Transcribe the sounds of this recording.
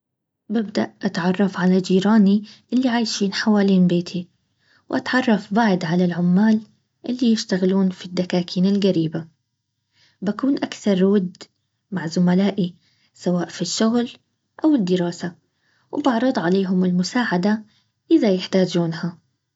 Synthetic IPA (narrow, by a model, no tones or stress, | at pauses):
bɪbd̪aʔʔat̪ʕɑrˤːɑfʕalad͡ʒiːɾaːniʔɪlːiʕaːjʃiːnħawaːliːnbeːt̪ʰi | wʔat̪ʕɑrˤːɑfbaʕd̪ʕalalʕʊmːaːl | ʔɪlːijɪʃt̪aɣɪluːnfid̪ːakaːkʰiːnɪlɣaɾiːba | bakuːnʔakθɑɾˤwaɪd̪ | maʕzʊmalaːʔi | sawaːʔfiʃːʊɣl | ʔawɪd̪ːɪɾɑːsa | wbɑʕɾˤɑd̪ˤʕaleːɦʊmɪlmʊsaːʕad̪a | ʔɪðajɪħt̪aːd͡ʒuːnha